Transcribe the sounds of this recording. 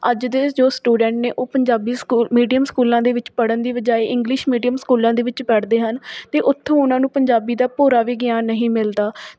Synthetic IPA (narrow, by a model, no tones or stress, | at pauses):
əd͡ʒd̪eːd͡ʒoːsʈuːɖɛ̃ːɳʈneːʔoːpəɲd͡ʒaːbiːsuːmiːɖijəmskuːlãːd̪eːʋɪt͡ʃpəɽənd̪eːbəd͡ʒaːeːʔɪ̃ŋɡlɪʃmiːɖijəmskuːlãːd̪eːʋɪt͡ʃpɛːɽd̪eːɦənt̪eːʔʊt̪ʰːõːʊnãːnũːpəɲd͡ʒaːbiːd̪aːpoːɾaːʋiːɡɪjaːnːəɦĩːmɪld̪aː